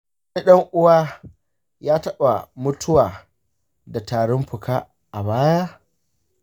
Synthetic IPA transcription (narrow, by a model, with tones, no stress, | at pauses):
i˦ɗɐ˦ŋʔʊ˦waː˦ | jaː˦tɐ˦ɓa˨mʊ˦tʰʊ˦waː˨ | da˨taː˨ɽɔ˦mɸʊ˨kaː˦ | ʔa˨baː˦ja˦